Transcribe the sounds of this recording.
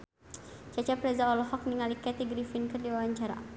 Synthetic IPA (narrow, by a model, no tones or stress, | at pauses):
t͡ʃat͡ʃapɾɛzaɔlɔhɔk̚niŋalikɛt̪iɡɾifinkɨrdiwawaɲt͡ʃaɾa̰